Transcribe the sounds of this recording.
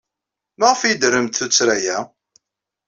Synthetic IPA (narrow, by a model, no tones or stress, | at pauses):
maʁfid̪ɾəmt̪θut͡sːɾæjæ